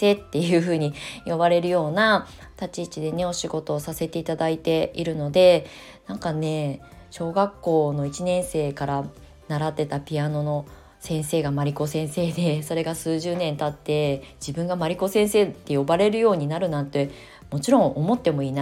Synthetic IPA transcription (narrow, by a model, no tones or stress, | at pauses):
se̞ːt̪ːe̞jɯ̟ːɸɯ̟ːɲ̟ijo̞baɾe̞ɾɯ̟jo̞ːna | t̪at͡ɕit͡ɕid̪e̞ne̞o̞ɕiɡo̞t̪o̞ːsase̞t̪e̞it̪ad̪ait̪e̞iɾɯ̟no̞d̪e̞ | nãŋkane̞ | ɕo̞ːɡakːo̞ːno̞it͡ɕinẽ̞ɰ̃se̞ːkaɾa | naɾat̪ːe̞t̪apʲiano̞no̞ | sẽ̞ɰ̃se̞ːɡamaɾʲiko̞sẽ̞ɰ̃se̞ːd̪e̞so̞ɾe̞ɡasɨːʑɨːnẽ̞nt̪at̪ːe̞d͡ʑibɯ̟̃ŋɡamaɾʲiko̞sẽ̞ɰ̃se̞ːt̪ːe̞jo̞baɾe̞ɾɯ̟jo̞ːɲ̟inaɾɯ̟nãnt̪ːe̞ | mo̞t͡ɕiɾõ̞ŋʔo̞mo̞t̪ːe̞mo̞iːna